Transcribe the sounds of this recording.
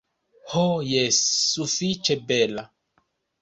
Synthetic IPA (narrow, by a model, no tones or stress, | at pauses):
hojɛsufit͡ʃɛbɛla